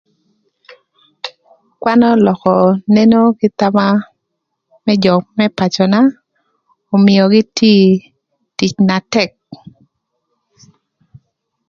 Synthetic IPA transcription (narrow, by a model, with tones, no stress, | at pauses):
kwa˦nɔ˦lɔ˨kɔ˨ne˦no˦ɡɪ˦t̪a˦ma˦ | mɛ˦d͡ʒɔ˨kmɛ˦pa˨t͡ʃɔ˨na˦ | ɔ˨mɪjɔ˨ɡɪ˦tʰi˦ | ti˨t͡ʃna˨tɛ˨k̚